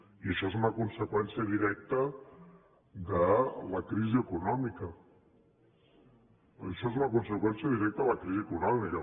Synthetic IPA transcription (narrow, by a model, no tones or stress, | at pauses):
iəʃɔezuməkunsəkwɛnsiəðiɾɛk̚t̪ə | d̪ələkɾiziəkunɔmikə | əʃɔezumɐkunsəkwɛnsiəðiɾɛk̚t̪əðələkɾiziəkunɔmikə